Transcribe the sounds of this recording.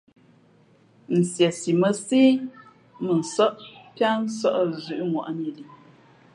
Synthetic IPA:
n̩˨sjɛ˨si˨mə˦si˦ | mə˨n̩˨sə˦ʔpja˦n̩˦sə˦ʔzʉ˨ʔŋwa̰˨ʔn˦i˨li˨

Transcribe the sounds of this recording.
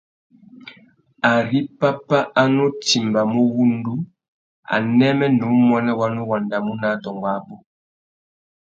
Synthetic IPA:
a˨ɾi˦pa˦pa˦ʔa˦no˦ti˨mba˨mo˦wu˦ndu˦ | a̰˨nɛ˦mɛ˦nu˨˦mɔ˦nɛ˦wa˦no˦wa˨nda˨mu˦na˨˦dɔ˨ŋɡwa˨˦bo˦

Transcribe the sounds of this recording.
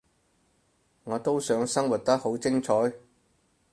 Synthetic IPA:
ŋɔː˨˧t̪o˥wsœː˨˧ŋsɐ˥ŋwu˨t̚t̪ɐ˥k̚ho˨˥wt͡sɪ˥ŋt͡ʃʰɔː˨˥j

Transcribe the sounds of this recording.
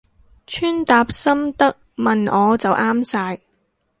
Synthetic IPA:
t͡ʃʰyː˥nt̪aː˧p̚sɐ˥mt̪ɐ˥k̚mɐ˨nɔː˨˧t͡sɐ˨wʔaː˥msaː˧j

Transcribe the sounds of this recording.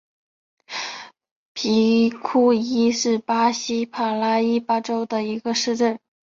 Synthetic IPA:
pʰi˧˥kʰu˥i˥ʂɻ̩˥˩pa˥ɕi˥pʰa˨˩la˥i˥pa˥ʈ͡ʂo˥ʊd̪ə˨i˧˥ɡə˧ʂɻ̩˥˧ʈ͡ʂə˥˩n

